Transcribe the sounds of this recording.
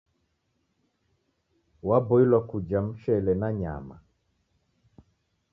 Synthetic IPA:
wabɔilwakud͡ʒam̩ʃɛlɛnaɲa̰ma̰

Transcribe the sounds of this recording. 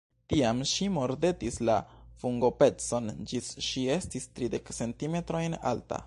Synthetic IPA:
tiamʃimo̞ɾde̞tislafuŋɡo̞pe̞t͡so̞nd͡ʒisʃiestistɾide̞kse̞ntimetɾo̞jna̰lta̰

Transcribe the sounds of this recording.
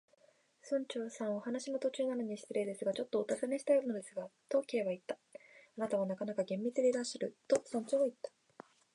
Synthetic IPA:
sõ̞ɲ̟t͡ɕo̞ːsãɰ̃ohanaɕino̞t̪o̞t͡ɕɨːnano̞ɲ̟iɕi̥t̪eɾe̞d̪e̞sɨɡat͡ɕo̞t̪ːo̞ːt̪asaneɕi̥t̪ajoɾɯnod̪e̞sɨɡat̪o̞kʲie̞βait̪ːḁanat̪aβanakanakaɡẽ̞mːʲit͡sɨd̪e̞ɾaɕaɾɯ̟t̪o̞sõ̞ɲ̟t͡ɕoβait̪ːḁ

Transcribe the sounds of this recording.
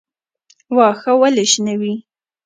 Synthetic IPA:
wɑxawaleʃnawi

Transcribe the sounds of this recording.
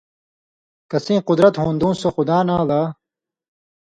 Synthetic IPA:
kɐsẽːqʊd̪ɾɐt̪ɦũːnd̪ũːsoxud̪aːnaːlaː

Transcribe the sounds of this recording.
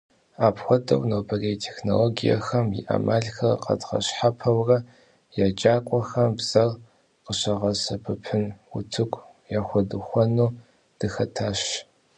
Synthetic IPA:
aːpxʷɔdɐ̰wnowbʰɐrejtʰexnoloːɡijɐ̰xɐmjḭʔa̰mʔaːɮxɐrqɐ̰dʁɐ̰ɕħapʰɐwrɐ | jaːd͡ʒaːkʷʼɔxɐmbz̥ɐr | qəɕɐʁɐsɐpʰɨpʰɨnʊ̰tʰɨkʷʼ | jaːxʷɔdɨxʷɔnuː | d̥ɨxɐtʰaːɕ

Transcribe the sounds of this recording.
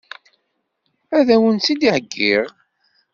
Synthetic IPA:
æðæwənt͡sːid̪iʕəɡːiʁ

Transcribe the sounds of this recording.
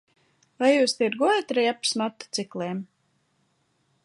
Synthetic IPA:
vajjuːst̪iɾɡuɔjat̪ɾɛjapsmat̪ːu̥t̪siklˠeːm

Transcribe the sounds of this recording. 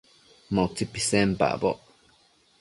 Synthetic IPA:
mãt͡sipisempa̰ʔboʔ

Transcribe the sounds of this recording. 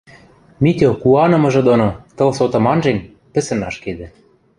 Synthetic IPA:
mit̪ʲokuɑnɤ̆mɤ̆ʒɤ̆d̪onot̪ɤ̆lsot̪ɤ̆mɑnʒenʲ | pɘ̆sɘ̆nɑʃked̪ɘ̆

